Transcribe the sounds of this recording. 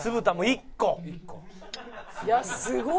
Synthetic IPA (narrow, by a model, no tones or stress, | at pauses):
sɨbɯt̪amoikːo | jasɨɡ